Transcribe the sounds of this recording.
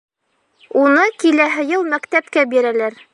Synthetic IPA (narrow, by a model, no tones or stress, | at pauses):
unɤkilæɦɤ̆jɤlˠmækt̪æpkæbiɾælæɾ